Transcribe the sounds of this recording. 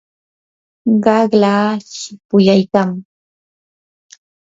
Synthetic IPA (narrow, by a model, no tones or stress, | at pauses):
ɢɑɢlaːʃɪpʊjajkaŋ